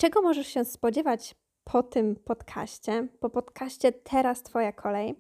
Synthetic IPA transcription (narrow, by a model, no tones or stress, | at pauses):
t͡ʂɛɡɔmɔʐɛʂɕɛspɔd͡ʑɛvat͡ɕ | pʰɔt̪ɘmpɔt̪kʰa̰ɕt͡ɕɛpɔpɔt̪kʰaɕt͡ɕɛt̪ʰɛɾast̪fɔjakʰɔlɛj